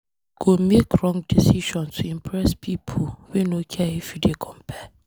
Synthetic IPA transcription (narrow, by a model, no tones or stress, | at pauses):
ɡ̥omekʰɹɔ̃ŋɡdisiʃɔ̃nstʰuĩmpʰɹɛspʰipʰowɛnokʰɛefidekʰɔ̃mpʰɛ